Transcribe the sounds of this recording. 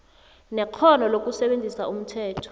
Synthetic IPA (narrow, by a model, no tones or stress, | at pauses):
nɛq͡χʰɔnɔlok̬ʼusɛɓend͡zʱisaum̩tʰɛːtʰɔ̥